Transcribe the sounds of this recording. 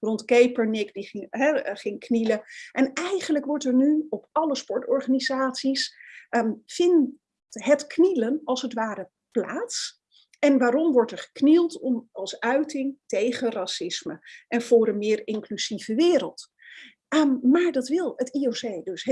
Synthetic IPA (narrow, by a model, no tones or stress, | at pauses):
rɔntkejpəɹnɪkdiχɪŋɦɛχɪŋkniləʔɛnɛjχənləkʋɔɹtɛɹnyɔpɑləspɔɹtɔɹχanizaːtsis | fɪn | ɦətknilənɑlˠsətʋaːɾə | pla̰ːts | ʔɛnʋaːɾɔmʋɔɹtɛɹχə̥knilˠtɔmɑlˠsœɥtɪŋtejχərasɪsməʔɛnv̥ʊːɾənmɪːrɪŋklyz̥ivəʋɪːɾəlˠt | maːɹdɑtʋɪlˠətiowzejdɵs